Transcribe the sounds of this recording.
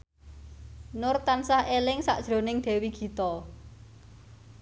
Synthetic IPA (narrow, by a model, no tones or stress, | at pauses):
nʊrt̪ansahʔelɪŋsa̰ʔd̥ʒ̥ɾo̤nɪŋd̪̥ɛ̤wiɡ̥i̤t̪ɔ